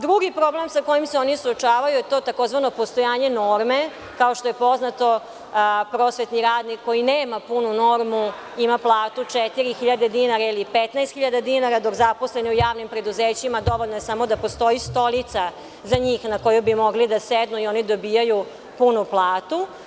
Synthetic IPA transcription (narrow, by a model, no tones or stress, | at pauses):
d̪ɾuɡipɾo̞ble̞msako̞jimseo̞nisuot͡ʃaːʋajujet̪o̞ːt̪ako̞zʋano̞po̞st̪ojaːɲe̞no̞ɾme | kaoʃt̪o̞je̞po̞znat̪o̞ | pɾoːsʋet̪niɾaːd̪nikːo̞jineːmapununoɾmu | imaplˠaːt̪ut͡ʂet̪iɾixiʎad̪ed̪inaɾailipet̪naest̪xiʎad̪ad̪inaɾad̪o̞kzapo̞sleniujaːʋnimpɾe̞d̪uzeːt͡ɕimad̪o̞ʋoʎnojesamod̪apo̞st̪o̞jist̪o̞lit̪sa | zaɲiːxnako̞jubimo̞ɡlid̪ased̪nuio̞nid̪o̞biːjaju | punuplˠaːt̪u